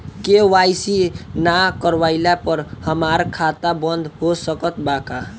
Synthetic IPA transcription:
kewajsinakəɾwaɪlapəɾhəmaɾkʰat̪abənd̪ʱɦosəkət̪baka

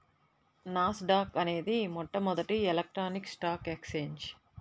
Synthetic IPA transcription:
naːsɖaːkɐne̞ːd̪imɔʈːɐmɔd̪ɐʈielek̚ʈɾaːniksʈaːkekseːɲd͡ʒ

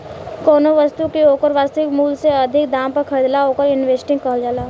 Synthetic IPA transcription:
koːnoʋɐst̪ukeoːkəɾʋaːst̪ɪkmuːlseɐd̪ʱɪkd̪ãːmpɐɾkʰɐɾid̪laoːkəɾɪnʋeːsʈɪ̃ŋɡkəɦld͡ʒaːlaː

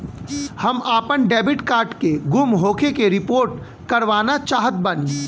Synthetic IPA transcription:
hɐmaːpənɖɛːbɪʈkaːɾʈkeɡʊmɦoːkʰekeɾɪpoːɾʈ | kɐɾʋaːnat͡ʃaːɦət̪̚baniː

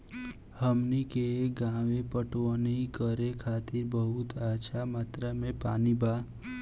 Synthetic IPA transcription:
həmnikeɡãːʋepəʈʋonekəɾekʰaːt̪ɪɾbəɦut̪aːt͡ʃʰamaːt̪ɾamẽpaːnibʱaː

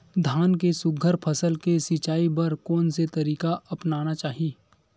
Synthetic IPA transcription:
d̪ʱaːnk̬esʊɡʱəɾpʰəsəlkesɪt͡ʃaːibɐɾkɔːnset̪ɐɾiːkaʔɐpnaːnat͡ʃaːɦiː

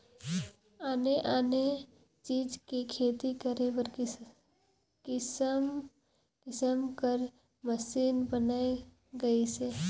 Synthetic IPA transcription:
aːneʔaːne | t͡ʃiːd͡ʒkikʰeːt̪ikəɾebəɾ | kɪsm | kɪsəmkəɾ | məsiːnbənaːe | ɡɐiseː

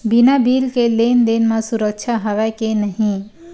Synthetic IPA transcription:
binabiːlkeleːnd̪eːnmãsʊɾək̚ʃʰaɦəʋɛkenəɦĩ

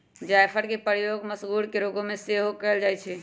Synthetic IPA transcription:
d͡ʒajpʰəɾkepəɾjoɡməsɡuɾkeɾoɡõmeseɦokəɪld͡ʒaːjt͡ʃʰɛ

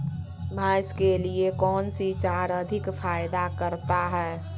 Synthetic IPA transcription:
bʱaːjskeliekɔːnsit͡ʃaɾəd̪ʱɪkpʰaːjd̪akəɾt̪aɦɛː

